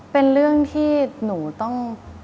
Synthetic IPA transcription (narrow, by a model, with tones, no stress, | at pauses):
pe˧nɾɯ˥˩əŋt̪ʰiː˥˩nuː˩˦t̪ɔ˥˩ŋ